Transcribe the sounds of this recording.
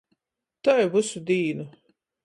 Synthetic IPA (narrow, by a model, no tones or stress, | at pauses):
t̪ajbusud̪iːnu